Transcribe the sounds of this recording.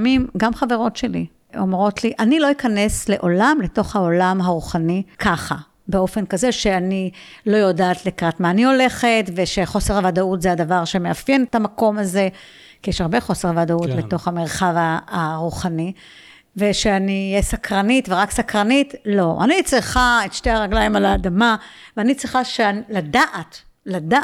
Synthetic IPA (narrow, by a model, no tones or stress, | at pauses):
mimɡamχave̞ʁo̞tʃe̞li | ʔo̞mʁo̞tliʔanilo̞ikane̞sle̞ʔo̞lamleto̞χhao̞lamɦaʁuχanikʰaχa | beo̞fe̞nkaze̞ʃe̞anilo̞jo̞daːtlikʁatmaːnio̞le̞χe̞tve̞ʃe̞χo̞se̞ʁavadautzeadavaʁʃemeafjenetamako̞maze̞ | kijeʃaʁbe̞χo̞se̞ʁavadautbet̪o̞χhameʁ̞χavaaʁuχani | ve̞ʃeanijesakʁanitveʁaksakʁanitlo̞ʔa̰nit͡sʁiχaetʃteaʁaɡlaimalaːdamaveanit͡sʁiχaʃealadaʔat | lada